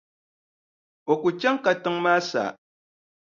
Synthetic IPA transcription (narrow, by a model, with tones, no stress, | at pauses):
o˨ku˨t͡ʃɛ˦ŋka˨tɨ˦ŋmaː˦sa̰ː˨